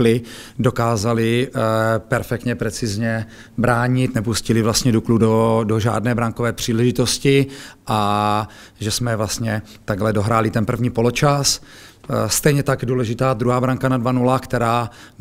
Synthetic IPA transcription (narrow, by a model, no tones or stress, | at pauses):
lɪdo̞kaːzalɪ | pɛɾfɛk̚t̪ɲɛpɾɛt͡sɪzɲɛ | bɾaːɲɪt̪nɛpuscɪlɪvlast̪ɲɛdukludodoʒa̰ːdnɛːbɾaŋko̞vɛːpr̝̥iːlɛʒɪt̪o̞scɪʔa | ʒɛsmɛvlast̪ɲɛ | t̪aɡlɛdo̞ɦɾaːlɪt̪ɛnpr̩vɲiːpo̞lot͡ʃas | st̪ɛjɲɛt̪aɡjduːlɛʒɪt̪aːd̪ɾuɦaːbɾaŋkanadvanulakt̪ɛɾaː